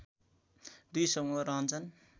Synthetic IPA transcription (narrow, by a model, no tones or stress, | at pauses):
d̪ujsʌmʌɾʌɦʌnt͡sʰʌn